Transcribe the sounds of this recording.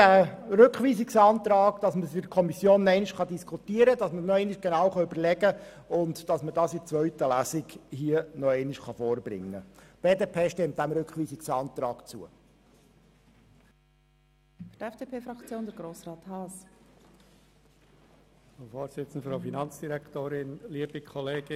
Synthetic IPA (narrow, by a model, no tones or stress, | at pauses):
æɾʏkχʋiːsiksɑːnt̪ɾɑːɡd̥ɑsməsɪkʰɔmisjoːnɛɪnɪʃχɑdiskʰutiːəɾədɑsmənɔɛɪnɪʃɡ̥enɑːwχɑʏbəɾlɛɡə | ʊntd̥ɑsmədɑːsɪt͡sʋœɥtəlæsɪɡhiənɔɛɪnɪʃχɑfoːɾbɾɪ̰ŋːə̰b̥eːdeːpʰeːʃtɛmt̚d̥̪æmɾʏkχʋiːsɪkt͡sɑnt̪ɾɑːkt͡sṵə | dɛfd̥eːpʰeːfɾɑkt͡sjoːnd̪əɾɡɾoːsɾɑːt̪hɑːs | fofoːɾsɪt͡sən̩d̪əfɾɑʊfinɑnt͡sd̥iɾɛkt̪oːɾɪnliəb̥ikʰɔleːɡɪ